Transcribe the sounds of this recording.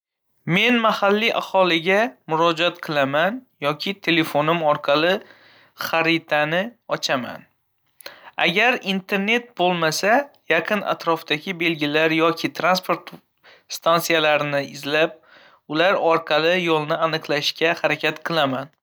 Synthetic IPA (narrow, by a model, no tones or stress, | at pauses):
me̞nmahalːiʔa̰hɒlɪɡʲamʊɾɒd͡ʒɒt̪qʰɨlˠamanjɒkʲʰɪt̪ʰe̞le̞fonɪmɒɾqʰɑlɪ | χaɾɪt̪ʰanɪɒt͡ʃʰama̰n | a̰ɡʲaɾint̪ʰe̞ɾne̞t̪̚bolˠmasajaqʰɨnʔa̰t̪ɾɒfd̪̥aɡʲɪbe̞lɡʲɪlaɾjɒkʲʰɪt̪ʰɾanspʰo̞ɾt̪ | st̪ʰansijalaɾɪnɪɪzlap̚ | ʊlaɾɒɾqʰɑlɪjɒlˠnɪanɨqlˠaʃkʲahaɾakʲʰat̪qʰɨlˠaman